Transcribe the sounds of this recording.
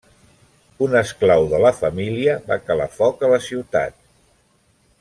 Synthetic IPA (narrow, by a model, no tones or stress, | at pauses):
unəsklawðələfəmiliəβakəla̰fɔkələsiwt̪a̰t̪̚